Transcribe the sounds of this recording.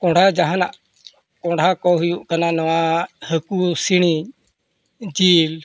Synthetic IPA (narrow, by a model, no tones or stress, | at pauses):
kɔ̃ɽ̤ʱad͡ʒaɦana̰ʔ | kɔ̃ɽ̤ʱakɔɦujuʔkananɔwahəkusiɽ̃iɲ | d͡ʒil